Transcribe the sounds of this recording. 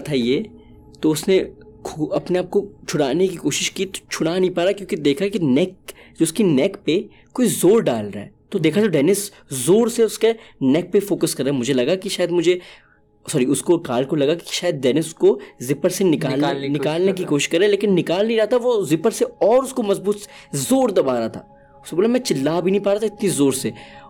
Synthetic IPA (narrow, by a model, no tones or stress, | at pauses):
t̪ʰaijeː | t̪oʊsnekʰɐpneaːp̚kot͡ʃʰʊɽaːnekikoːʃɪʃkit̪o̥t͡ʃʰʊɽanɐɦĩpaːɾakjõːkid̪eːkʰakinɛkd͡ʒoʊskinɛːkpe | koːizoːɾɖaːlɾa̰ɦɛ̰ːt̪od̪eːkʰat̪oɖɛːnɪs | zoːɾseʊskenɛːk̚pefoːkəskɐɾːaːɛmʊd͡ʒʱelɐɡakiʃaːjəd̪mʊd͡ʒʱe | sɔːɾiʊskokaːlkolɐɡaki̥ʃaːjəd̪̚ɖɛːnɪskozɪpəɾsenɪkaːlnɪkaːlnek̬ikoːʃɪ̥ʃkɐɾeɦɛleːkɪnːɪkaːlneiɾat̪aʋozɪpəɾseɔːɾʊskomɐzbuːt̪zoːɾd̪ɐbaːɾaːt̪ʰa̰ː | ʊskeboːlamɛ̃ːt͡ʃɪlːaːbʱinɐ̃ɦĩpaːɾat̪ʰaɪt̪nizoːɾse